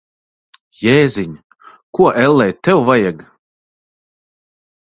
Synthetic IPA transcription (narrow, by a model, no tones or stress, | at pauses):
jeːziɲ | kuɔʔɛlˠːɛjt̪ɛwvajaɡ